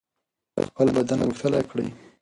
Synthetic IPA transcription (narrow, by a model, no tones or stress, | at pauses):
ə̰xpəlbad̪an̰wuxt̪əlakɽə̰j